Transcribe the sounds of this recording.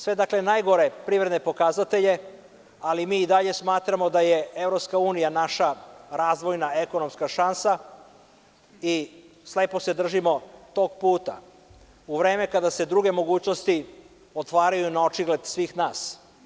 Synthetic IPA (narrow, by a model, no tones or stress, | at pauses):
sʋe̞d̪akle̞najɡo̞ɾe̞pɾiʋɾed̪nepo̞kazat̪eʎe̞ | alimiːd̪aʎe̞smaːt̪ɾamo̞d̪aje̞e̞vɾopskauːnijanaʃaɾaːzʋo̞jnaeko̞no̞mskaʃansa | i | sle̞ːpo̞se̞d̪r̩ʒimo̞t̪o̞ːɡpuːt̪a̰ | uʋɾe̞ːme̞kad̪ase̞d̪ɾuɡe̞mo̞ɡuːt͡ɕno̞st̪i | ot̪ʋaːɾajunaot͡ʃiɡle̞d̪sʋiːxnaːs